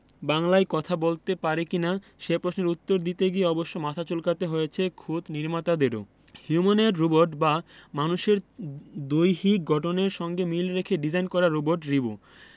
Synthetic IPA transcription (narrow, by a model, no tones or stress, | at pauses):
baŋlaekɔt̪ʰabolt̪epaɾekina | ʃepɾoʃneɾut̪ːoɾd̪it̪eɡieɔboʃːomat̪ʰat͡ɕolkat̪eɦojet͡ɕʰekʰud̪niɾmat̪ad̪eɾo̰ | hjumoneɾːuboɾʈbamanuʃeɾd̪ojɦik̚ɡʱɔʈoneɾʃɔŋɡemilɾekʰeɖid͡ʑajnkɔɾaɾoboɾʈɾibo